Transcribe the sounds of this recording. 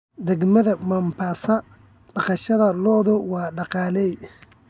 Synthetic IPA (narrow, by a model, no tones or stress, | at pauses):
d̪ɛɡmɐðɐmɐmpʰaːsɐ | ɖɑqɑʃɐðɐlɔːðʊwɑːɖɑqɑːlɛj